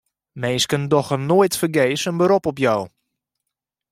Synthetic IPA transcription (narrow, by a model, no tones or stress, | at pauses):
meːskəndɔxənoːjtfərɡeːsənbəɾɔpɔpjɔw